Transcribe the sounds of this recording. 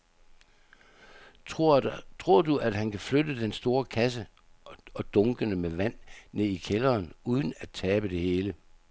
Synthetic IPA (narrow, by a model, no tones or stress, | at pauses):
t͡sʰʁo̝ɐ̰duʔæd̥hænkʰæflødəd̥ensd̥o̝ːɐkʰæs̬ə | ɒ̽d̥ɔ̽ŋɡ̥ənəmeʋæn̰ːe̝̰ikʰelɐːnuːð̞ˠən̩æd̥̚t͡sʰɛːb̥əd̥e̝he̝ːlə